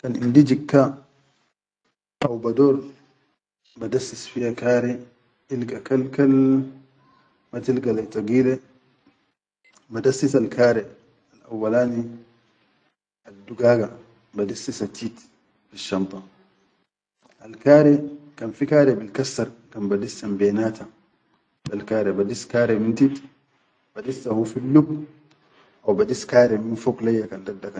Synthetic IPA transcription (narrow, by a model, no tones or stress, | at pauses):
kanḭndid͡ʒikːa | ʔawbadɔɾ | badasːisfijakaːɾɛ | ilɡakalkal | matilɡalat̪aɡiːlɛ | badasːisalkʰaːɾɛ | alʔa̰wːalaːni | adːuɡaːɡa | badisːisatʰːit | biʃːant̪ˤɑn | alkaːɾɛkanfikaːɾɛbilkasːaɾkanbadisːambɛːnaːta | balkaːɾɛbadiskaːɾɛmintit | b̥adisːahufilːub | ʔawbadiskaːɾɛminfɔklajːakandadːaka